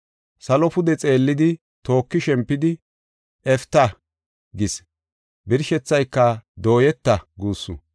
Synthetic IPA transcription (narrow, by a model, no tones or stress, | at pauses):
sɐlɔpʊd̪ɛt͡sʼe̞ːlːɪd̪ɪ | t̪o̞ːkːɪʃɛmpːɪd̪ɪ | ɛft̪ːɐ | ɡɪs | bɪɾʃɛt͡sːɐjkːɐd̪o̞ːjɛt̪ːɐɡuːsːʊ̰